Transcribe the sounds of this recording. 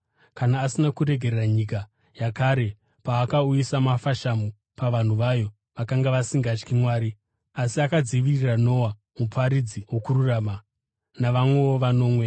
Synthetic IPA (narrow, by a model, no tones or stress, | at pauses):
kanaːsinakuɾe̞ɡʱereraɲika | jakaɾe̞ | paːkaujisamafaʃamu | paʋan̤uʋajo̞ | ʋakaŋɡaʋasiŋɡat͡ʃkimwaːɾi | asiakad͡ziʋirirano̞wa | mupʰaɾid͡ziwo̞kururaːma | naʋamwe̞oʋano̞ːmwe̞